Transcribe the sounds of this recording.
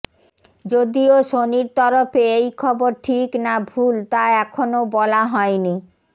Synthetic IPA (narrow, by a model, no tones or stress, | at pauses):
d͡ʑod̪ioʃoniɾt̪ɔɾofeejkʰɔboɾʈʰiknabʱult̪aɛkʰonobɔlaɦɔeni